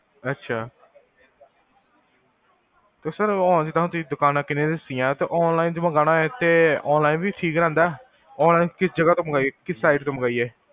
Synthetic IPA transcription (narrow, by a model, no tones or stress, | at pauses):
ətːʃʰaː | t̪eːsəɾɔːnd͡ʒɪd̪ãɦʊ̃t̪id̪ʊkaːnãːkɪnẽːd̪ɪsɪjãːt̪eːʔɔːnlaːiːnd͡ʒməɡaːnãːɛːt̪eːɔːnlaːiːnbiːʈʰiːkɾɛ̃ːnd̪aː | ɔːnlaːinkɪsd͡ʒəɡaːt̪õːməɡaːieːkɪsːaːɪɖt̪õːməɡaːiːeː